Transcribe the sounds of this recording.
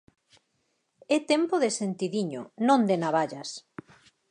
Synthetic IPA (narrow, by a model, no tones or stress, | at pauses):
ɛt̪empoðesent̪iðiɲo̰nõnd̪enaβaʎas